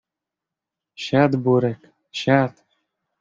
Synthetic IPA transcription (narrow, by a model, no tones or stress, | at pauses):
ɕat̪buɾɘ̆k | ɕat̪